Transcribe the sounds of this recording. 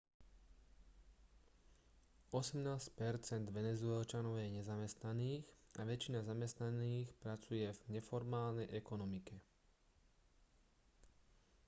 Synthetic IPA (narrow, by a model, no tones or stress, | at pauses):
ɔsɛmnaːscpɛɾt͡sɛnd̪ʋɛnɛzʊɛlt͡ʃanɔʊjɛɲɛzamɛst̪naniːɣʔaʋɛt͡ʃinazamɛst̪naniːxpɾat͡sujɛvɲɛfɔɾmaːlnɛjʔɛkɔnɔmikɛ